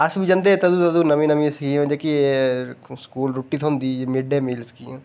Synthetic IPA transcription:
ɐsbʱid͡ʒɐ̃nd̪et̪ɐd̪uːt̪ɐd̪unəmĩnəmĩsiõd͡ʒeki | skuːlɾuʈːiːt̪ʰõnd̪iːmɪɖeːmiːlskiõ

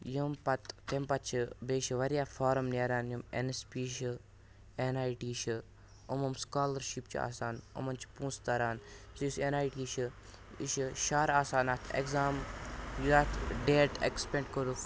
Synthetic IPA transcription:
jumpɐt̪t̪empɐt͡ʃʰibeːʃiʋɐɾijaːfʰaːɾɐmneːɾaːnjumḛnespiːʃi | enaːjʈiːʃɨ | umɐmskaːlɐɾʃipt͡ʃʰia̰ːsaːnɐ̰mɐnt͡ʃʰi̥pũːst̪ɐɾaːnzɨjisenaːjʈiːʃi | iʃiʃaːɾaːsaːnat̪ʰḛkzaːmjuaːt̪ʰɖeːʈḛkspẽɳʈkoɾuk

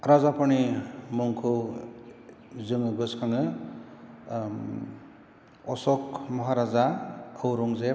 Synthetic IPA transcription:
ɾazapɔnimuŋkʰɯ | zɯŋɯɡɯskʰaŋɯ | ɔsɔk̚mʌɦaɾazaɯwɾuŋze

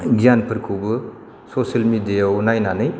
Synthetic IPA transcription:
ɡijanpʰɯɾkʰubɯ | sosɐlmidijawnajnanɯj

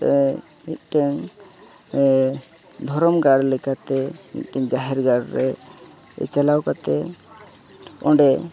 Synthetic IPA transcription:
mit̪̚ʈɛŋ | d̪ʱɔɾɔmɡaɽlɛkat̪ɛmḭt̪̚ʈɛŋd͡ʒaɦɛɾɡaɽɾɛ̰ | t͡ʃalawkat̪ɛ | ɔ̰̃ɳɖɛ

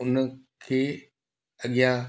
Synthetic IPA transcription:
ʊn | kʰeː | ɐɠijã

